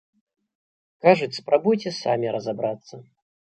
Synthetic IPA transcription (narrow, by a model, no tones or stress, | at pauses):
kaʐut͡sʲspɾabujt͡sʲɛsa̰mʲiɾɐzabɾat̪sːɐ